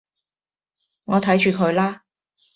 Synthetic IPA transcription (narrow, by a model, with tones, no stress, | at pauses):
ŋɔː˨˧t̪ʰɐ˨˥jt͡ʃyː˨˧kʰɵ˨˧ɥlaː˥